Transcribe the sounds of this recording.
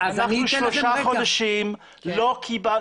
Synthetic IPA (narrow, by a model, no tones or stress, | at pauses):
anaχnuʃloʃaχod̪aʃim | lokʰiba